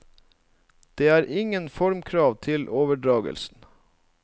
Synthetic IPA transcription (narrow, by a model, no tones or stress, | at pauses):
d̪̥eːæːɾʔɪŋənfɔɾmkʰɾɑːʋt̪ʰɪlʔoːʋəɖɾɑːɡə̰lsn̩